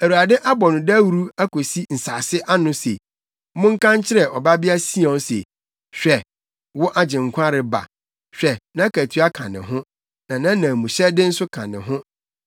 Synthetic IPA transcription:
æ˨ɾu˨a˨dɪ˦ʔa˦bɔ˨nʊ̃˨dæ˦wu˦ɾu˦a˦ko˨si˦n̩˨saː˨sɪ˦ʔa˦nʊ̃˦sḛ˨ | mʊ̃˦ŋ̩˦kʰã˦ɲ˦t͡ɕʰɪ˦ɾɛ˨ʔɔ˨ba˦bɪ˦a˦si˦ɔ̃˨n˦sḛ˨ | ɕᶣɛ˨ | wɔ˦ʔa˦d͡ʑɪ̃˨ŋ˨kʷʰã˦ɾɪ˨ba̰˨ | ɕᶣɛ˨nã˨˦kʰæ˨tʰu˦a˦kʰã˨nɪ̰̃˨ɦʊ̃˦ | nã˨nã˦nã˨mũ˨ɕɛ˦dɪ˦n̩˦sʊ˦kʰã̰˨nɪ̰̃˨ɦʊ̃˦

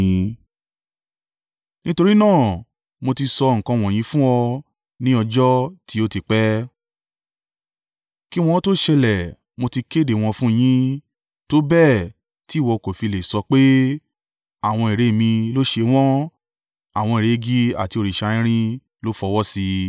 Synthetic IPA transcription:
ĩ˧ | nĩ˦to˧ɾi˦nãː˦˨ | mo˧ti˧sɔ˧ŋ̩˨kã˧w̃ɔ̃˨j̃ĩ˧˦fũ˦ɔ˧ | nĩ˦ɔ˧d͡ʒɔ˦ti˦o˦ti˧k͡pɛ˦ | ki˦w̃ɔ̃˧˦to˦ʃɛ˧lɛ˨ | mo˧ti˧ke˦˨de˨w̃ɔ̃˧fũ˦˨j̃ĩ˦ | to˦bɛ˦˨ | ti˨˦˨wɔ˧ko˨fi˧le˨sɔ˧k͡pe˦ | a˦˨w̃ɔ̃˧e˨ɾe˨˦˨mĩ˧lo˦ʃe˧w̃ɔ̃˦ | a˨w̃ɔ̃˧˨ɾe˨˦˧ɡi˦a̰˨ti˧o˧ɾi˨ʃa˧ĩ˦ɾ̃ĩ˦ | lo˦fɔ˧wɔ˦si˧

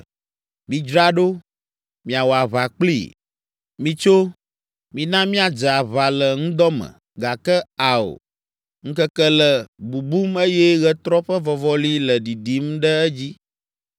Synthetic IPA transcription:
mĩ˨d͡ʒɾa˦ɖo˦ | mĩ˨a˨wo˨a˨βa˨k͡plḭ˦˨ | mĩ˨t͡ʃo˦ | mĩ˨nã˦mĩ˦a˨d͡ʒɛ˨a˨βa˨lə˨ŋũ˦d̪ɔ˦mə̰̃˨ | ɡa˨kə˦a˨o̰˨ | ŋ̩̃˦kə˦kə˦lə˨bu˨bu˦me˦jɛ˦ɣɛ˦t̪ɾɔ˦ɸə˦vɔ˨vɔ˦li˦lə˨ɖi˨ɖi˨˦mɖə˦ɛ˦d͡ʑi˦

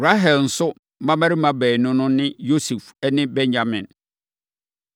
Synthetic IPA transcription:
ɾa˦ɦɛ˨ln̩˨sʊ˦ | mã˦mæ˦ɾi˦mã˨bɛː˨nʊ̃˦nʊ̃˦nɪ̃˦jo˦su˨fɛ˦nɪ̃˦bɛ̃˦ɲd͡ʑa˨mɪ̃˨n

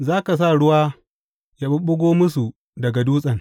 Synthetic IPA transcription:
zaː˦ka˨s̬a˦˨ɽʊ˦waː˦ | ja˦ɓʊ˦ɓʊ˦ɡʷoː˦mʊ˦su˨ | dɐ˨ɡa˨duː˦sʼɐ˨ŋ

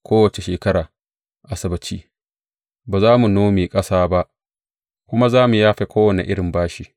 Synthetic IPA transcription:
kʷoː˦wɐ˨t͡ʃe˨ʃeː˨kɐ˦ɽaː˨ | ʔa˨sɐ˨bɐ˨t͡ʃḭː˦ | baː˨zaː˦mu˨noː˦meː˨kʼɐ˦saː˦ba˦ʔ | kʷʊ˦ma˦zaː˦mu˨jaː˦ɸe˦kʷoː˦wɐ˨nḛ˨ʔɪ˦ɽɪ˨mbaː˦ʃiː˦

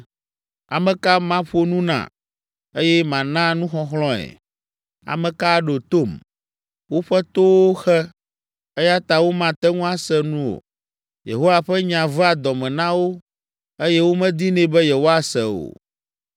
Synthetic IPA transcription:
a̰˨mɛ̃˨ka˦mã˦ɸu˦o˦nũ˦nã̰˨ | e˦jɛ˦mã˨nã˦nũ˦xɔ˦xlɔ̃˦ɛ̰˨ | a̰˨mɛ̃˨ka˦ɖo˨t̪o˦˨m | wo˦ɸɛ˦t̪o˦wo˦xɛ˦ | e˦ja˦t̪a˨wo˦mã˨t̪ɛ˦ŋũ˦a˦sɛ˦nũ˦o̰˨ | jḛ˨ɦo˦wa˨ɸɛ˦ɲã˨vɛ˦a˨d̪ɔ˨mɛ̃˨nã˦wo˦ | e˦jɛ˦wo˦mɛ̃˦d̪i˦nɛ̃˦bɛ˦je˨wo˦a˨sɛ˨o̰˨

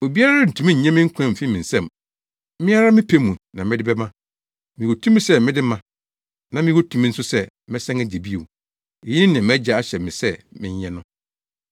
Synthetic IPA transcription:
o˨bi˦a˦ɾa˦n̩˨tʰũ˦mĩ˦ɲ̩˨ɲɛ̃˦mɪ̃˦ŋ̩˦kʰʷã˦m̩˨fi˦mɪ̃˨n̩˨sɛ̃˦˨m˦ | mɪ̃˦a˦ɾa˦mɪ̃˦pʰe˦mũ˨nã˨mɪ̃˦dɪ˦bɛ˦mã˦ | mɪ̃˨wo˨tʰũ˦mĩ˦sɛ˦mɪ̃˦dɪ˦mã˦ | nã˨mɪ̃˦wo˦tʰu˦m̃˦n̩˦sʊ˦sɛ˦ | mɪ̃˦sɛ̃˦ŋæ˦d͡ʑe˨bi˦o˨ | e˨jĩ˦nːã˨m˦æ˦d͡ʑa˨a˦ɕɛ˨mɪ̃˨sɛ˦mɪ̰̃˦ɲ˦ɛ̃˦nʊ̃˦

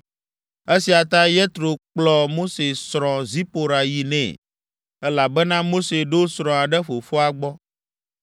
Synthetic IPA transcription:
e˦si˨a˨t̪a˦jɛ˦t̪ɾo˨k͡plɔ˨mo˦se˨sɾɔ̃˨zi˦po˨ɾa˨ji˨nɛ̰̃˨ | ɛ˦la˨bɛ˦nã˦mo˦se˨ɖo˦sɾɔ̃˨a˨ɖɛ˦ɸo˨fo˦a˨ɡ͡bɔ˦

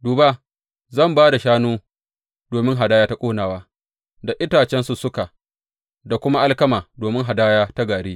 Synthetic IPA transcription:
duː˨ba˦ | zɐ˦˨mbaː˦da˨ʃaː˦nuː˦ | doː˨mɪ˦ŋɦa˨daː˦jaː˦ta˦kʷʼoː˦naː˨waː˦ | da˨ʔɪ˦taː˨t͡ʃɛ˦nsu˨sʊ˦ka˨ | da˨kʷʊ˦ma˦ʔa˦lkɐ˦maː˨doː˨mɪ˦ŋɦa˨daː˦jaː˦ta˦ɡaː˨ɽiː˦

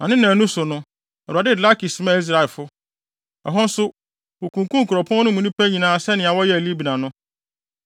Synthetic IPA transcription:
ã˨nɪ̃˦nã˨nũ˦sʊ˨nʊ̃˦ | ɛ˨u˨a˨dɪ˦˨dla˦ki˨si˨˦mã˦˨i˦s̬ɾa˨lfʊ˦ | ɔ˨ɦɔ̃˦n̩˦sʊ˦ | u˨kʰũ˨ŋ˨kũ˦ŋ̩˨kʰʊ˨ɾɔ˨pʰɔ̃˦nʊ̃˦mũ˨nĩ˦pʰæ˦ɲĩ˨nãː˨˦sɛ˦nɪ̃˨a˨wɔ˦jɛ˦æ˨li˦bi˨nã˨nʊ̃˦

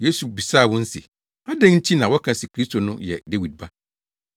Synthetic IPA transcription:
je˦su˨bi˨sa˦˨wɔ̃˦n̩˦sḛ˨ | a˦dɛ̃˦ŋɲ̩˦t͡ɕʰi˦nã˨wɔ˦kʰã˨sɪ˨kʰɾi˦stʰo˨nʊ̃˦jɛ̰˨de˦wi˨d̚ba˦

